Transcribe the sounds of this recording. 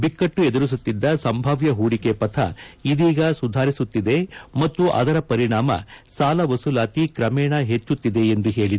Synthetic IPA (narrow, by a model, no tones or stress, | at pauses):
bikːɐʈːued̪uɾis̬ut̪ːid̪ːɐsɐmbʱaːʋjɐɦuːɽikepɐt̪ʰɐ̰id̪iːɡɐsud̪ʱaːɾisut̪ːid̪e̞mɐt̪ːuʔɐ̰d̪ɐɾɐpɐɾiɳaːmɐ̰saːlɐʋɐsulaːt̪ikɾɐmɛːɳɐɦet͡ʃːut̪ːid̪e̞ːnd̪uɦe̞ːɭid̪e